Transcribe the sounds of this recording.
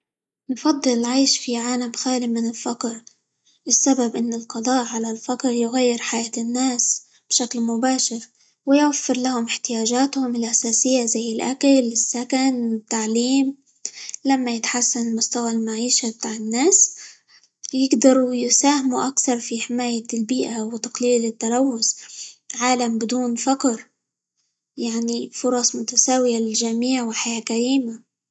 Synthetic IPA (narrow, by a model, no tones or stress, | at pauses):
nfɑd̪ˤːɨlɪlʕajʃfiʕaːlamxaːlɪmɪnɪlfɑqɾ | ʔɪsːababʔɪnːɪlqɑd̪ˤɑːʔʕalalfɑqɾjʊɣajːɪɾħajaːt̪ɪnːaːs | b̥ʃaklmʊbaːʃɪɾ | wɪjwafːɪɾlahʊmɪħt̪ɪjaːʒaːt̪hʊmɪlʔasaːsɪjːazajːɪlʔakalɪsːakanɪt̪ːaʕliːm | lamːajɪt̪ħasːanɪlmʊst̪awalmaʕiːʃabɪt̪aːʕɪnːaːs | jɪɡd̪ɑɾˤujɪsaːhɪmuʔakθɑɾˤfiħɪmaːjalbiːʔawɪt̪aqliːlɪt̪ːalawːʊsʕaːlambɪd̪uːnfɑqɾ | jaʕnifʊɾˤɑsˤmʊt̪asaːwɪjalɪlʒamiːʕwɪħajaːkaɾiːma